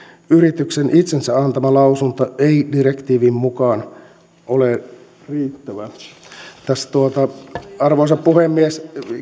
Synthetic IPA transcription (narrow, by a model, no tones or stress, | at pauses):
yɾit̪yksenʔit̪sensæɑnt̪ɑmɑlɑusunt̪ɑeidirekt̪iːʋiːmmukɑːn | ole | riːt̪ːæʋæ | t̪æsːt̪uot̪ɑɑrʋoːsɑppuhemːies